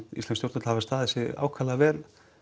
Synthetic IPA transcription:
ist̪lɛnst̪jowɾt̪ʏt̪havast̪aːðɛsɪa̰ːwkʰalavɛːl

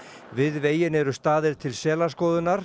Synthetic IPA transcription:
vɪðveːjɪnɛɾʏst̪aːðɪɾ̥t̪ʰɪlsɛːlḁskɔːðʏnaɾ̥

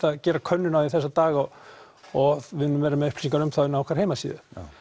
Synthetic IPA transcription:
θaðcɛːɾakʰœnːʏnawɪθɛsːat̪aːɣaɔ | ɔvɪðːʏmvɛːɾamɛðʏhplɪ̥siŋkaɾʏmθaɪnawkʰvaɾheːjmasḭːðʏ

